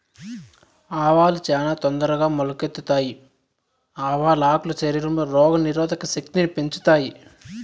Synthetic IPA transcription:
aːʋaːlut͡ʃaːnaːt̪ɔnd̪ɐɾɐɡaːmolɐket̪ːut̪aːji | aːʋaːlaːklɐt͡ʃeɾiɾumɐɾɔːɡɐniɾɔːd̪ɐkɐsekt̪inipeɲt͡ʃu̥t̪aːji

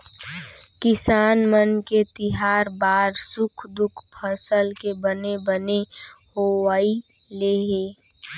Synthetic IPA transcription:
kɪsaːnmənket̪ɪɦaːɾbaːɾsʊkʰd̪ʊkʰpʰəsəlkebənebənehowaːi | leɦeː

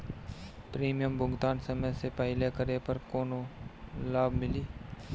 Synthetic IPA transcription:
pɾiːmijəmbʊɡt̪aːnsɐməjsepɐɦɪlekəɾepɐɾkoːnolaːbmɪliː

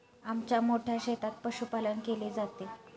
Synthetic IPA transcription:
amt͡ɕjamoʈʰjaɕet̪at̪̚pəɕupalənkeled͡zat̪e

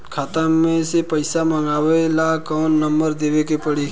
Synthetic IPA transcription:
kʰaːt̪əmẽsepəɪsaməŋɡaːwelakɔːnːəmbəɾd̪eːwekepəɽi

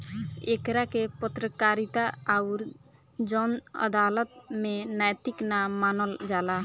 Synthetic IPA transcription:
ekɾakepət̪ɾəkaɾit̪aaʊɾ | d͡ʒɔnə̰d̪alət̪menajt̪iknaːanəld͡ʒala

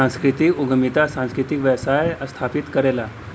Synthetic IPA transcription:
ãskɾit̪iːuɡʱəmit̪asãñskɾit̪ikʋəʋsajəst̪ʰapit̪kəɾela

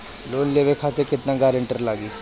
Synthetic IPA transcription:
loːnleːʋekʰaːt̪ekɪt̪nãɡaːɾəɳʈəɾlaːɡiː

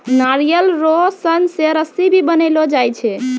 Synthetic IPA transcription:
naɾijəlɾosənseɾəsibʱibənelod͡ʒajt͡ʃʰɛ

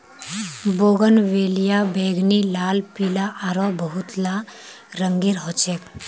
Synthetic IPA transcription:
boːɡənʋeːlijabeːɡnilaːlpilaʔaɾɔbəɦut̪la | ɾəŋɡiɾɦɔt͡ʃek

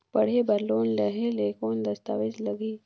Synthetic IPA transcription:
bɐɽ̤ebɐɾloːnlɐɦeleːkoːnd̪ɐst̪a̰ːʋɪd͡ʒlɐɡiː

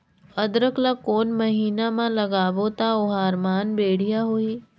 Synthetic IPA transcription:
ɐd̪ɾəklakoːnmɐɦiːnamãlɐɡaːʋot̪aʊɦaːɾmaːnbeːɽ̤ijaɦuiː

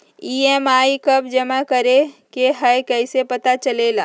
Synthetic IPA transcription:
iːemaːikɐb̚d͡ʒɐmakɐɾekeɦɐjkɐɪsepɐt̪at͡ʃɐlela̰ː

